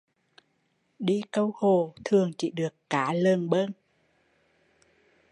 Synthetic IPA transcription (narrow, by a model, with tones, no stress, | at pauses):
ɗi˧kə˧who˨˩t̪ʰɨ˨˩əŋt͡ɕḭ˧˩ɗɨ˨˩əkːaː˨˦lə˨˩nɓə˧n